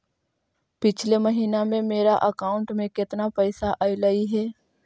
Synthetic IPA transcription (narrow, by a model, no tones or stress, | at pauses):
pɪt͡ʃʰleməɦiːnamẽmeːɾaʔəkaːʊ̃ɳʈmẽkɪt̪napɛːsaʔaːiləiɦɛː